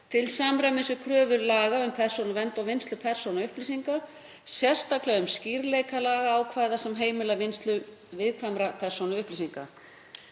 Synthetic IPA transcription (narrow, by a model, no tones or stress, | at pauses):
t̪ʰɪlsaːmɾajmɪnsʏkʰɾœːvʏɾlaːɣaʏmpʰɛr̥sonʏvɛnt̪ɔɣvɪnst̪lʏpʰɛr̥sonaʏhplisiŋka | sjɛr̥st̪aklɛɣʏmsciɾleːjkalaːɣaaːwkʰvaːjðasɛmɦeːjmɪlavɪnst̪lʏ | vɪðkʰamɾapʰɛr̥sonʏʏhplisiŋka̰